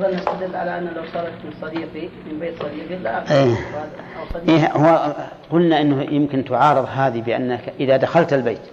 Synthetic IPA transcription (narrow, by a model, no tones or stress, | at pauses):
ðˤɑlnɪst̪ad̪ɪlːʕalaʔanːlawsˤɑːɾˤɑt̪mɪnsˤɑd̪iːqimɪnbeːt̪sˤɑd̪iːqilaʔaeaˤɑiːhʊa | qʊlnaʔɪnːʊjɪmkɪnt̪ʊʕɑːɾɨðˤɦaːðibɪʔa̰nːakʔɪðad̪axalt̪albeːt̪